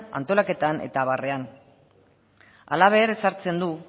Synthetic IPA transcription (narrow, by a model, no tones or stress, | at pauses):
a̰nt̪o̞lake̞t̪anʔe̞̰t̪aβare̞an | a̰laβ̞e̞ːɾe̞saɾt͡se̞nd̪u